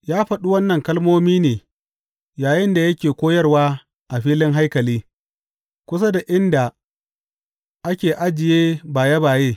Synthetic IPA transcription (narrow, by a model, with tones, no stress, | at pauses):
jaː˦ɸɐ˨ɗu˦wɐ˦nːɐ˨ŋkɐ˦lmoː˦miː˦neː˨ | jaː˨jɪ˦nda˨jɐ˦kʲeː˨kʷoː˦jɐ˦rwaː˦ | ʔa˨ɸiː˦lɪ˦ŋɦa˦jkɐ˨liː˦ | kʷʊ˦s̬a˦da˨ʔɪ˦nda˨ | ʔa˦kʲeː˨ʔa˦d͡ʒɪ˨jeː˦baː˨ja˦baː˨jeː˦